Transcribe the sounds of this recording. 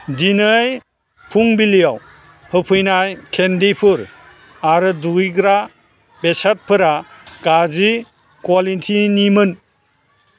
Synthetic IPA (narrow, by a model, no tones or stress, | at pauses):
dinɯj | pʰuŋbilijaw | hɯpʰɯjnajkʰendipʰɯɾ | aɾɯduiɡɾa | besat̚pʰɯɾaɡ̥azi | kwalitʰinimɯn